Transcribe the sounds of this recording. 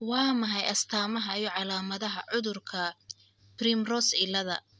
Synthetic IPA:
wɑːmɐɦɛjɐst̪ʰaːmɐɦɐijɔʕɑlaːmɐðɐɦɐʕʊðʊrkʰɐ | primrɔsɪlɐðɐ̰

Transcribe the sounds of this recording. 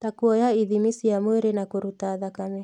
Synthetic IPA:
takuɔjaiðimisijamweɾenakuɾutaðakamɛ

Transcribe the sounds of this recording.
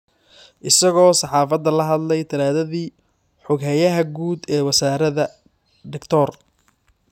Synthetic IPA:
ʔɪsɐɣɔːsɑħɑːfɐd̪ːɐlɐɦɐd̪lɛjt̪ʰɐlaːðɐðiː | ħʊɡɦɛjɐɦɐɡuːd̪ɛːwɐsaːɾɐðɐ | ɖɪkt̪ʰɔr

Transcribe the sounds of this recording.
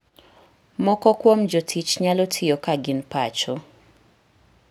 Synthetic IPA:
mɔkɔkwomd͡ʒotʰit͡ʃɲalotʰɪjokaɡɪnpat͡ʃo

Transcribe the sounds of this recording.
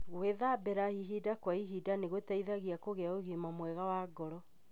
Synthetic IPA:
ɣweðabɛɾahiɦidakwaiɦidaneɣwetaiðaɣiakoɣeaoɣimamwɛɣawaːɡɔɾɔ

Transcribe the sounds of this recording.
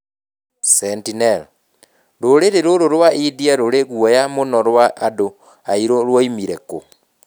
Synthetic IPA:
sɛntinɛl | ɾoɾeɾeɾoɾoɾwaʔidiaɾoɾeɣwɔjamonɔɾwaʔːdo | aiɾoɾwɔimiɾɛko

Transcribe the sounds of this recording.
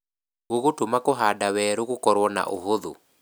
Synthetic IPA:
oɣotomakoɦadawɛɾoɣokɔɾwɔna̰ʔo̰ɦoðo̰

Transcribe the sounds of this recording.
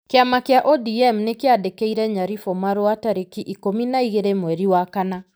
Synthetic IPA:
keamakjaʔɔdiɛmnekeadekeiɾɛɲaɾifɔmaɾoataɾikiʔikominaiɣeɾemwɛɾiwakana

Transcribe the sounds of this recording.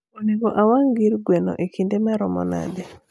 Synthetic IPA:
oneɡɔʔawaŋɡiɾɡwɛno̰ʔekindemaɾɔmɔ̰na̰dɛ

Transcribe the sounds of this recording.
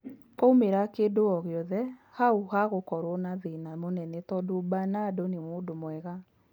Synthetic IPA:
koumeɾakeːdoɔɣeɔðɛhauhaɣokɔɾwɔnaðenamonɛnɛtɔdoːbanadonemoːdomwɛɣa

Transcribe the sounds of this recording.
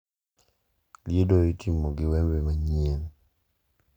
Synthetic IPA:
ljedoitʰimoɡɪwɛmbɛmaɲien

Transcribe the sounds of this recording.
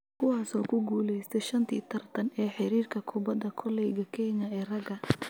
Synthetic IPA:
kʰʊwaːsɔːkʰʊɡuːlɛjst̪ʰɛjʃɐnt̪ʰḭːt̪ʰɐrt̪ʰɐnɛːħɪɾiːrkʰɐkʰʊbɐd̪ɐkʰɔlɛjɡɐkʰɛːɲɐɛːrɐɡɐ

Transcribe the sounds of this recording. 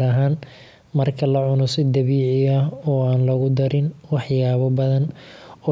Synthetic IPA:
ɾɐɦaːn | mɐrkʰɐlɐʕʊnɔsɪd̪ɐβiːʕɪɐɦɔːaːnlɐɣʊd̪ɐɾɪnwɑħjaːβɔbɐðɐnɔː

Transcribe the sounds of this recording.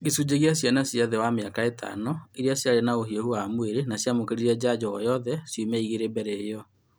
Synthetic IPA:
ɡesud͡ʑeɣiasjanasjaðɛwameakaetʰa̰nɔiɾjasjaɾenaoɦiɔhuaːmweɾenasjamokeɾiɾɛd͡ʑad͡ʑɔɔ̰jɔðɛsjumɛiɣeɾebɛɾɛjɔ

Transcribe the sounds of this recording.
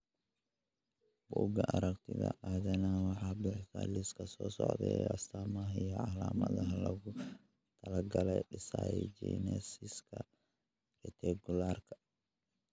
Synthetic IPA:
buɡaʔaɾakt̪idaʔad͡ʒanawaħabɛħtaliskasɔsɔʔd̪ɛast̪amahijaʕalamad̪aɦalaɡu | t̪ɐlaɡalaɗisajid͡ʒɛnɛsiska | rɛt̪ɛɡulaɾkḁ

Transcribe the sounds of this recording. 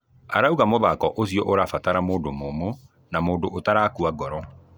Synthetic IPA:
a̰ɾauɣamoðakɔʔosiɔʔoɾafataɾamoːdomomo | namoːndoʔotaɾaːkuaɡɔɾɔ

